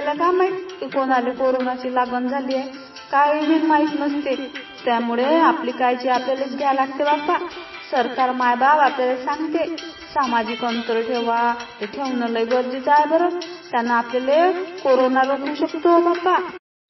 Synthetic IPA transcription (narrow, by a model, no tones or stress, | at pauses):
laɡamajkikonalekoɾonat͡ɕiːlaɡənd͡zʱalije | kajbiːlmait̪məst̪e | t̪jamuɭeaplikajt͡ɕiapljalet͡sɡʱalaɡ̚t̪ebapa | səɾkaɾmajbabapljalesãŋɡt̪e | samad͡ʑiːkənt̪əɾʈʰeʋat̪eʈʰewnələjɡəɾd͡ʑid͡zajbəɾət̪janːaːpljalekoɾonaɾokũːɕəkt̪obapa